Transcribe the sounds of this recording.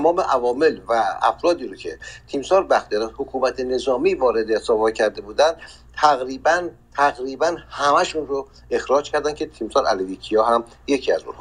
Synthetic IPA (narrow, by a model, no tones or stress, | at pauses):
t̪æmɒːme̞ʔævɒːme̞lvææ̰fɾɒːd̪iːɾocʰe̞̰t̪ʰiːmsɒːɾbæxt̪iɒːd̪æd̪hokʰuːmæt̪ʰene̞zɒːmiːvɒːɾe̞d̪esɒːbɒcʰæɾd̪e̞buːd̪ænd̪ʰ | æɣɾiːbæn | t̪ʰæɣɾiːbænhæmæʃunro | e̞xɾɒːd͡ʒcʰæɾd̪ænkʲʰe̞t̪ʰiːmsɒːɾæ̰levicʰijɒːɦæm | je̞cʰiːæzṵnh